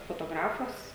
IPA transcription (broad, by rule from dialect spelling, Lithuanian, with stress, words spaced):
foːtoːˈɡrɑːfɐs